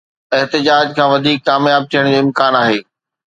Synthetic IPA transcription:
ɪɦt̪ɪd͡ʑaːd͡ʑkʰãːʋɐd̪ʱiːkːaːmjaːb̚t̪ʰijəɽ̃d͡ʑoːɪ̃mkaːnaːɦeː

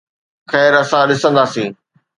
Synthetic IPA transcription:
xɛːɾɐsãɗɪsə̃nd̪aːsĩː

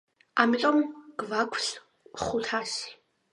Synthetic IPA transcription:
amitʼɔmɡ̥vakʷʰɬ | χʊtʰaːs

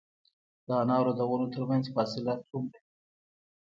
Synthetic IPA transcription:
d̪̥əanɑwɾod̪awənot̪əɾmanzfɑsɪlat͡sumɾa

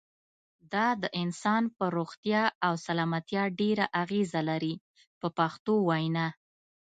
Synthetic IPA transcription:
d̪ɑd̪əʔɪnsɑnpəɾoɣt̪jɑawsalɑmat̪jɑɖeɾaʔaɣezalaɾi | pəpaxt̪owajna

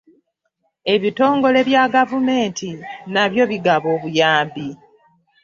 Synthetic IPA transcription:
e̞βito̞ːŋɡo̞le̞βjaɡavume̞ːntʰinaβjo̞βiɡaβo̞ːβujaːmbi

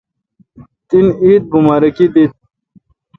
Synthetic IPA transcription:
t̪iniːt̪̚bumaɾɐkid̪it̪̚

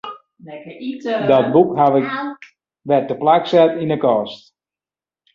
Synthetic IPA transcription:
dɔt̚bukɦaʋɪk | ʋɛrtəplaksɛtinəkɔːst

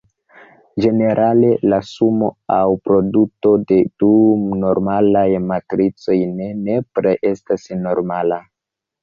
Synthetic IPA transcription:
d͡ʒe̞ne̞ɾʔale̞lasumo̞awpɾo̞duto̞de̞d̥uno̞ɾmalajmatɾit͡so̞jnene̞pɾeʔe̞stasno̞ɾmala

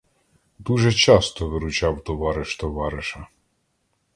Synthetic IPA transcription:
d̪uʒɛt͡ʃɑst̪ɔʋɪɾʊt͡ʃɑwt̪ɔʋɑɾɪʃt̪ɔʋɑɾɪʃɐ

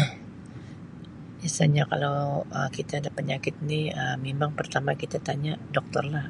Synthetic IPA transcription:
biasaɲaka̰lowəkit̪aːdapəɲakɪt̪̚niəmemaŋpərt̪amakit̪at̪aɲadɔk̚t̪ɔrlah

